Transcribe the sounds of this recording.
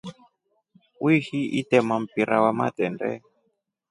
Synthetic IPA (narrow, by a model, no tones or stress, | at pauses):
wihiʔitɛmam̩piɾawama̰t̪ɛndɛ̰